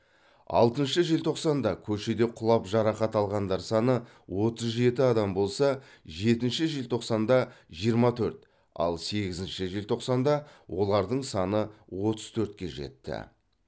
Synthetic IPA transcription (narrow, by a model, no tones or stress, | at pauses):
ɑ̰lˠt̪ənʃəʒelt̪ʰo̞qsɑnd̪ɑkʲʰɵʃe̞d̪e̞qʰʊlˠɑpʒɑɾɑqɑt̪ɑlˠʁɑnd̪ɑɾsɑnə | wo̞t̪əzʒe̞t̪ɪɑd̪ɑmbo̞lˠsɑ | ʒe̞t̪ɪnʃɪʒelt̪ʰo̞qsɑnd̪ɑʒijəɾmɑt̪ʰɵɾt̪ | ɑ̰lˠse̞ɡʲɪzɪnʃɪʒelt̪ʰo̞qsɑnd̪ɑwʔo̞lˠɑɾd̪əɴsɑnəwo̞t̪ə̥z̥t̪ʰɵɾt̪kʲe̞̰ʒe̞̰t̪ːɪ̰